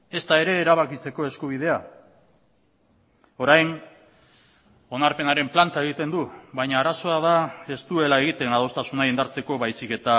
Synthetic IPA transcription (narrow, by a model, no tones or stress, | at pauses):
e̞st̪ae̞ɾe̞ːɾaβakit͡se̞ko̞e̞skuβ̞ið̞e̞a | o̞ɾajn | o̞naɾpe̞naɾe̞mplant̪ae̞ɣ̞it̪e̞nd̪uβajɲaːɾaso̞aðae̞st̪ue̞lae̞ɣ̞it̪e̞nað̞o̞st̪asunaind̪aɾt͡se̞ko̞βajsike̞t̪a